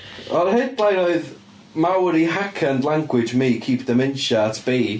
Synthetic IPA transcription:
ɔnhɨd̚b̥lˠajnoɨð | mawɾiɦakʰəndlˠaŋɡwɪd͡ʒmikʰiːpʰd̥əmɪnʃaatʰb̥ejd

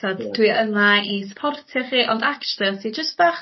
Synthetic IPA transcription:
ɔdd̥wiənaispʰɔrtʰɪχiːʔɔndakt͡ʃlˠəsid͡ʒəstv̥aχ

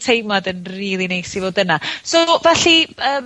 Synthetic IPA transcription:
tʰejmadənriːlˠinejsivoːdənasovaɬiəːm

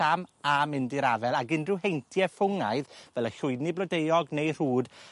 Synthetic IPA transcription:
amamɪndiɾavɛlˠaɡɪndrɨwɦejntʰjɛfʊŋaɨðvɛlˠəɬʊɨniblˠɔdejɔɡnejr̥uːd

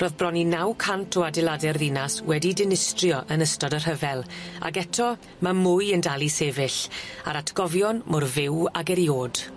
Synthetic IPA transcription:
roːðbrɔninawkʰantʰɔadɪlˠadɛrðinaswɛdidɪnɪstrjɔʔənəstɔdər̥ɦəvɛlˠa̰ɡɛtʰɔ | mamʊjəndalˠiseːvɪɬaɾatʰɡ̥ɔvjɔnmɔrvɪwaɡɛɾjoːd̥

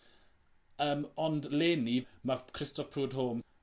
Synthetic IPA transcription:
əːmɔndleːnimakʰrɪstɔfpʰruːdɦoːm

